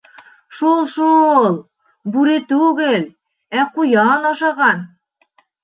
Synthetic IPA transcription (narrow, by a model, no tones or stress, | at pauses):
ʃulˠʃulˠ | bʉɾɘt̪ʉɡɘl | æqujɑnɑʃɑʁɑn